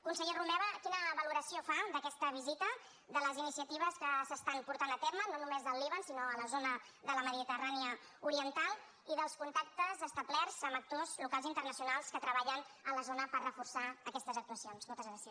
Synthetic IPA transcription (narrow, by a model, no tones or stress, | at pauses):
kunsəʎerumɛβəkinəβəluɾəsiofaðəkɛst̪əβ̞izit̪ə | ðələzinisiət̪iβ̞əskəsəst̪ampuɾt̪anət̪eɾmənonumezðəlˠːiβənsinoələzonə | ðələməðit̪əraniə | uɾiənt̪alˠ | iðəlˠskunt̪ak̚t̪əzəst̪əβlɛrzəmək̚t̪ozlukalˠzint̪ərnəsiunalˠskət̪ɾəβaʎənələzonəpərrəfursaəkɛst̪əzək̚t̪uəsijonskolˠt̪əzɣɾasia